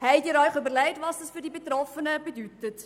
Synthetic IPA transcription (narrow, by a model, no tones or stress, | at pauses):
hɛjdiɾœɥχybərlɛɪtvɑsdɑsfyrdibətrɔfənəbədytət